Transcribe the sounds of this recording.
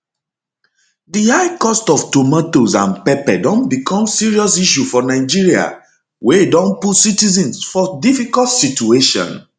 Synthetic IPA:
dihaɪkɔstɔftomatozã̰npɛpɛdɔ̃nbikʰɔ̃msiɹiɔsiʃ̬ufɔnaɪd͡ʒiɹia̰ | wedɔ̃nputsitizɛ̃nsfɔdifikɔltsitueʃɔ̰̃n

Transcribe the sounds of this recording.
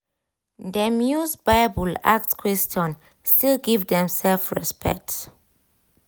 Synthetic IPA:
dəmjusbaɪbula̰k̚tkʰwɛstɔ̃n | stʰilɡivdɛ̃msɛlfɹɛspɛ̰k̚t

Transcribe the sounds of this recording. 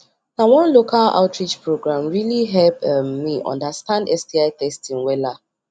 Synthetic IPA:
nawɔ̃nlokala̰ʊtɹid͡ʒpɹoɡɹãmɹiliɦɛlpːiʔɔ̰̃ndastãndɛsdiaɪtɛstĩŋwɛla

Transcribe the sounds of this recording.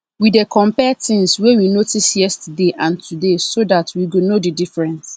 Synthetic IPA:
widekʰɔ̃mpɛtʰɪ̃ŋswɛwinotʰisjɛstʰdeʔãntʰudesodatʰwiɡonodidifɹɛ̃ns

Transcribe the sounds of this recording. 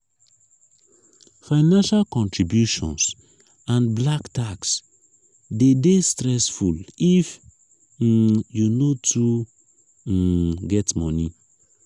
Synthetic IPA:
faɪnãnʃalkɔ̃ntɹibjuʃɔ̰̃ns | ãnblaktaks | dedestɾɛsfulif̩ | junotʰu | ɡɛtmɔni

